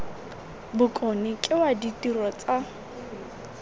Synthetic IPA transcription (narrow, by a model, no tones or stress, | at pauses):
bʊkʼɔnɪkʼɪwaditirɔt͡sʼa